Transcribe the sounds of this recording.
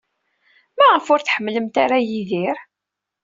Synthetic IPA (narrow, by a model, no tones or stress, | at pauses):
mæʁəfʊɾθħəmːləmt̪aɾajiðiɾ